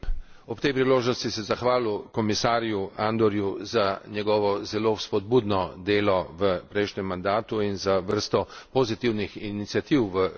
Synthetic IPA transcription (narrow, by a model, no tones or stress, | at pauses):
ɔpt̪ɛjpɾiloːʒnɔst̪isɛzaxʋaːlukɔmisaːɾjuand̪ɔɾjuzanjɛɡɔːʋɔzɛloːspɔd̪̚buːd̪nɔd̪eːlɔʋəpɾɛjʃɲɛmːand̪aːt̪uinzaʋəɾst̪ɔpɔzit̪iwnixinit̪siat̪iwʋə